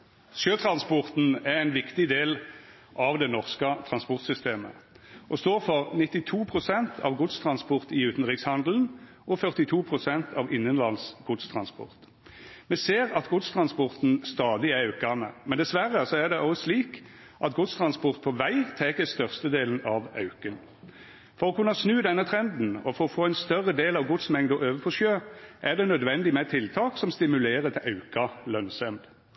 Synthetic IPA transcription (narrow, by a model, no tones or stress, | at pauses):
sjøːt̪ʰʁɑnspɔʁt̪n̩æʁæɪnʋɪkt̪ɪd̪eːl | ʔɑʋd̪ɛnɔʁskət̪ʰɾɑnspɔʁt̪sʏst̪eːmə̰ | ʔɔst̪oːʁfɔʁnɪt̪ːɪt̪ʰuːpʰʁʊsɛnt̪ʰɑ̰ʋɡʊd̪st̪ʰʁɑnspɔʁt̪ɪʉːt̪n̩t̪ʁɪkshɑnd̪ln̩ | ʔɔfœʁt̪ɪt̪ʰuːpʰʁʊsɛnt̪ʰɑʋɪnːənlɑlsɡ̥ʊd̪st̪ʰʁɑnspɔ̰ʁt̪ | mɛseːʁɑt̪ɡʊd̪st̪ʰʁɑnspɔʁt̪n̩st̪ɑːd̪ɪɛɑʉkɑnəmɛnd̪ɛsʋæʁːəsɔæʁd̪ɛʔɔsliːk | ʔɑt̪ɡʊt̪st̪ʰʁɑnspɔʁt̪̚pʰɔʋæɪt̪ʰɛkəst̪œʁst̪əd̪eːln̩ɑʋɑ̰ʉkən | fɔʁɔkʉnːəsnʉːd̪ɛnːət̪ʰʁɛnd̪n̩ɔfɔɾɔfoːæɪnst̪œʁəd̪eːlɑʋɡʊd̪smɛŋd̪ɔʔøːʋəpʰɔʃøːʔæʁd̪ɛnœd̪ʋɛnd̪ɪmɛt̪ʰɪlt̪ʰɑːksɔmst̪ɪmʉleːɾət̪ʰɪlʔɑʉkɑlœnsɛmd̪